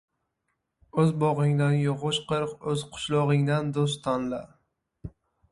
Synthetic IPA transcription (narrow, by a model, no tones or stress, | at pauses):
ɵzbɒʁɪŋd̪anjʊʁʊʃqʰɨɾqɵzqʰʊ̥ʃlˠɒʁɪŋd̪and̪os̬t̪t̪ʰanla